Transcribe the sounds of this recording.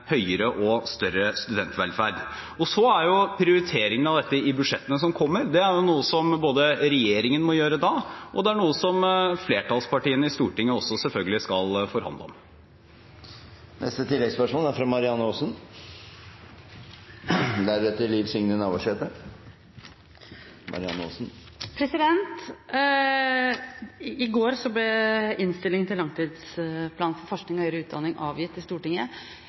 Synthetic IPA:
hœʏəɾəʔɔst̪œrəst̪ʉd̪ɛnt̪ʋɛlfæːɾɖ | ɔsɔæɾjʊpʰɾɪʊɾɪt̪ʰeːɾɪŋənɑʋd̪ɛt̪ːəɪbʉʂɛt̪ːənəsɔmkʰɔmːəɾd̪ɛæɾjʊnuːəsɔmboːd̪əɾɛjeːɾɪŋənmɔjøːɾəd̪ɑːʔɔd̪ɛæɳuːəsɔmfleːʈɑːlspɑʈiːənəɪst̪uːʈɪŋːəɔsːɔsɛlfœlɡəlɪskɑlfɔɾhɑ̰nd̪əɔ̰m | nʔɛ̰st̪ət̪ʰɪlːɛɡspœʂmoːlæɾfɾɑmɑɾɪɑnːəoːsn | d̪æɾʉt̪əliːʋsʏŋnənɑːʋɑʂeːt̪ə | mʔɑ̰ɾɪɑ̰nːəo̰ːsn̩ | pʰɾɛsɪd̪ɛnt̪ | ɪɡoːɾsɔblɛɪnst̪ɪlɪŋənt̪ɪlːɑŋt̪ʰiːd̪spʰlɑːnfɔɾfɔʂknɪŋɔhœʏɾəʉːt̪̚d̪ɑnːɪŋʔɑ̰ːʋjɪt̪ːɪst̪uːʈɪŋːə

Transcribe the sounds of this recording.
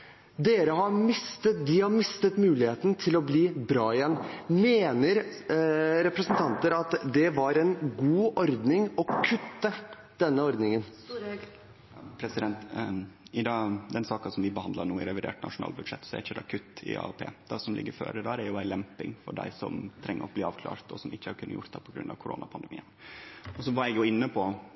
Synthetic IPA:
d̪eːɾəɦɑɾmɪst̪əd̪ɪhɑɾmɪst̪ət̪mʉːlɪheːt̪n̩t̪ʰɪlɔbliːbɾɑːɪjɛnːmeːnəɾ | ɾɛpɾəsənt̪ʰɑnt̪əɾɑt̪d̪ɛʋɑɾɛnɡuːʔɔɾd̪nɪŋɔkʰʉt̪ːə | d̪̥ɛnːəɔɾd̪nɪŋən | pʰɾɛsɪd̪ɛnt̪ | ɪd̪ɑːd̪ɛnsɑːkɑsɔmʋɪbəhɑnd̪lɑnuːɪɾɛʋɪd̪ḛːʈnʔɑ̰ʂʊnɑ̰ːlbʉd̪ʂɛt̪ːsɔɛ̰ɾɪçːəd̪ɑkʰʉt̪ːɪ̰ɑ̰ːɛpʰḛːd̪̥ɑsɔmlɪ̰ɡːəɾfø̰ːɾəd̪æːɾæɾjʊælɛmpɪŋfɔɖæ̰ɪsɔ̰mt̪ʰɾɛŋːəɾɔbliːɑːʋkʰlɑ̰ːɾt̪ʰɔsɔmɪçːəhɑɾkʰʉnːəjʊ̰ʈt̪d̪ɛpʰɔɡɾʉnɑ̰ʋkʰʊɾo̰ːnɑpʰɑnd̪ɛmiːənɔsɔʋɑɾjɛɡjʊɪnːəpʰɔ

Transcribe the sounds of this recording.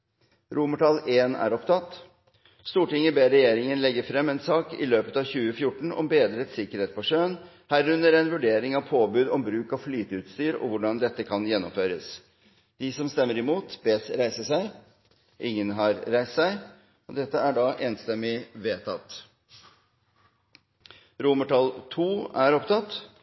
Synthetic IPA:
ɾʔuːməʈʰɑlːeːnæ̰ɾɔpt̪ʰɑt̪ | st̪uːʈɪŋəbeːɾɛjeːɾɪŋənlɛɡəfɾɛmːɛnsɑːkɪ̰løːpət̪ɑʋçʉːəfjʊʈːɳ̩ɔ̰mbeːd̪ɾət̪sɪkəɾheːt̪̚pʰɔʂøːən | hæɾʉnːəɾɛnʋʉɖeːɾɪŋɑʋpʰoːbʉːd̪ɔmbɾʉːkɑʋflyːt̪əʉːt̪st̪yːɾɔ̰ʋʊɖɑnd̪ɛt̪ːəkʰɑnjɛnːʊ̰mføːɾəs | d̪̥ɪsɔmst̪ɛmːəɾɪmuːt̪bɛːsɾæɪsəʂæɪ | ʔɪŋːənɦɑɾɾæɪst̪sæɪ | ɔd̪ɛt̪ːəæɖɑʔeːnst̪ɛmːɪʋeːt̪ʰɑt̪ | ɾuməʈɑlt̪ʰuːæɾɔpt̪ʰɑt̪ː

